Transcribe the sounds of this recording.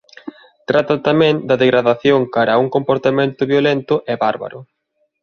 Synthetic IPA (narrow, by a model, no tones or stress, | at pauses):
t̪ɾat̪ɐt̪amɛ̃ŋd̪ɐðeɣɾaðaθjoŋkaɾauŋkompoɾt̪amẽnt̪ʊβjolent̪ʊʔɛβaɾβa̰ɾʊ